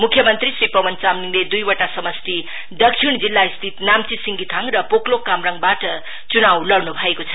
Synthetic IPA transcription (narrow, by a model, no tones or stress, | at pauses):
mukʰjʌmʌnt̪risripʌwʌnt͡samniŋled̪ujwʌʈasʌmʌst̪ʰi | d̪ʌk̚t͡sʰiɳd͡zilːaist̪ʰit̪namt͡sisiŋɡit̪ʰaŋrʌpoklokamrʌŋbaʈʌ | t͡sunawlʌrnubʱʌekot͡sʰʌ̥